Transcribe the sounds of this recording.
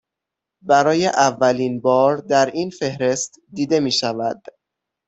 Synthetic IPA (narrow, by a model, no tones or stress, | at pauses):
bæɾɒːje̞ʔævːæliːnbɒːɾd̪æɾiːnfe̞hɾe̞st̪ | d̪iːd̪e̞miːʃævæd̪̥